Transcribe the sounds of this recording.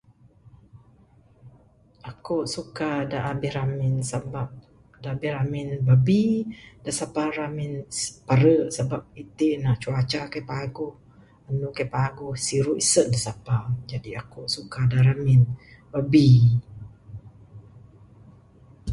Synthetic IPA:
akoʔsukadaʔabɪhɾamɪnsabap̚ | daʔabɪhɾamɪnbəbidasapaɾamɪnpaɾəsabap̚it̪iʔnaʔt͡ʃuat͡ʃakajpaɡʊh | ənukajpaɡʊhsiɾuʔisət̪̚dasapad͡ʒadiakoʔsukadaɾamɪn | babi

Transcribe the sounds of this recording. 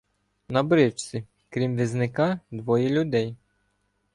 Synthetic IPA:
nɐbɾɪt͡ʃt͡sʲi | kɾʲimʋʲiznɪkɑd̪ʋɔjɛlʲʊd̪ɛj

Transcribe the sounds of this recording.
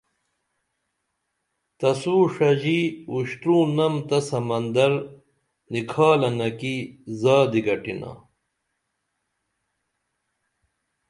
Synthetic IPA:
t̪ɐsuːʂɐʑiuɕt̪ɾũːnɐmt̪ɐsɐmɐnd̪ɐɾ | nikʰaːlɐnɐkizaːd̪iɡɐʈina̰ː

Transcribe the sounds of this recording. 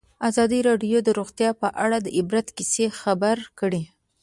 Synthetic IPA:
azɑd̪iɾɑɖjod̪əɾoɣt̪jɑpəʔaɽad̪əʔɪbɾat̪kisexabaɾkəɽi

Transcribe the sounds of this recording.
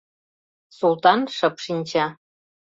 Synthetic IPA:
sulˠt̪ɑnʃɤpʃinʲt͡ɕɑ

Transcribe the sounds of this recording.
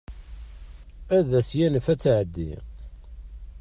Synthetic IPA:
æðæsjænəfæt͡sːʕəd̪ːḭ

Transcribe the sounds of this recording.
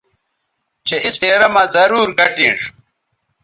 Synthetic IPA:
t͡ɕeiseːɾɐmɐzɐɾuːɾɡɐʈĩːʂ

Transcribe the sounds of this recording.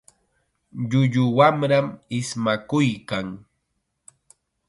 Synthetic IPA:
ʎʊʎʊwamɾamɪsmakʊjkaŋ

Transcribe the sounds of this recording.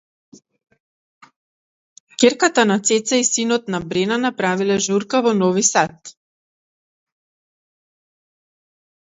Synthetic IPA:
kʲeɾkat̪anat̪sɛt̪saisinɔt̪nabɾɛnanapɾavilɛʒuɾkavɔnɔvisat̪

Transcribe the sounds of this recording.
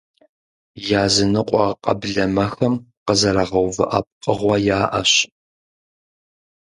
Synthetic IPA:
jaːzɨnɨqʷʼɔqʼɐ̰bɮɐmɐxɐmqəzɐɾɐʁɐwvɐ̰ʔɐp̚qʼəʁʷɔjaːʔɐɕ

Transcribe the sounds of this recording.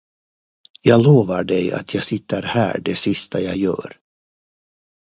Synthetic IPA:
jɑːɡloːvaɖɛja̰t̪ʰjɑːɡsɪt̪ʰːəɾhæ̰ːɖɛsɪst̪ʰajɑ̰ːjœ̰ːɾ

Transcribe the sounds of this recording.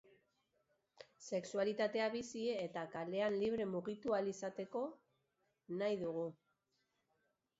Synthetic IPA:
se̞ksualit̪at̪e̞aβisiet̪akale̞anliβ̞ɾe̞muɣit̪ualisat̪e̞ko̞ | najðuɣu

